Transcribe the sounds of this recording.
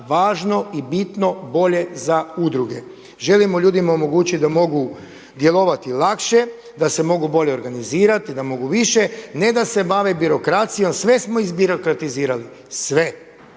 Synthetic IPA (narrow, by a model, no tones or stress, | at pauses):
ʋaːʒno̞ibit̪no̞bo̞ʎe̞zaud̪ɾuɡe̞ | ʒe̞limoʎuːd̪imaomo̞ɡuːt͡ɕit̪d̪amo̞ɡu | d̪je̞lˠo̞ʋat̪ilˠakʃe̞ | d̪ase̞mo̞ɡubo̞ʎe̞oɾɡaniziːɾat̪id̪amo̞ɡuʋiʃe̞ne̞d̪ase̞baʋebiɾo̞kɾat̪sijo̞msʋe̞smo̞izbiɾokɾat̪iziːɾali | sʋe̞